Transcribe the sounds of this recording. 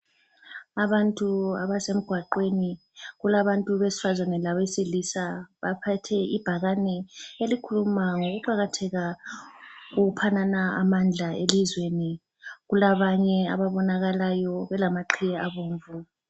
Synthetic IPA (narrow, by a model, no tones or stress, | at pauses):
aβantʼua̰βasem̩ɡ̥ʱwaǃweni | ɣulaβantʼuβesi̥fazanɛlaβesilisaβapʰatʰɛib̥ʱaɣanɛelikʰulumaŋoɣuǃaɣatʰɛɣa | ɣoupʰananaa̰mand͡ɮʱaelizweni | ɣulaβaɲɛa̰βaβɔnaɣalajɔβɛlamaǃʰijɛaβoːɱvu